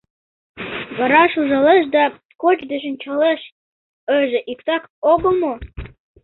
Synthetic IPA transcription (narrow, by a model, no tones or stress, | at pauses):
βɑɾɑʃuʒɑleʃ̬d̪ɑ | kot͡ɕd̪eʃ̬ə̆nʲt͡ɕɑleʃ | əʒĕʔikt̪ɑkoɣəlmo